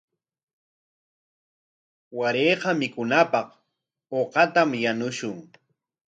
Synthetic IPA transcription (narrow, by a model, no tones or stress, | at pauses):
waɾeːqɑmɪkʊnapɑq | oqɑt̪amjanʊʃʊŋ